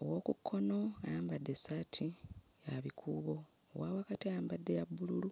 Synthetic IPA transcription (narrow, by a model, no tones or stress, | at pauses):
o̞̰wo̞kukʰːo̞no̞aːmbadːesatʰijaβikʰuːβo̰ː | wawakatiaːmbadːe̞jabːululu